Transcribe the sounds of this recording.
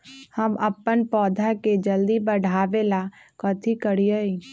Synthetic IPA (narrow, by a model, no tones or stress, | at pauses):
həməpːənpɔːd̪ʱaked͡ʒəld̪ibəɖʱaːʋelakɔt̪ʰikəɽiəiː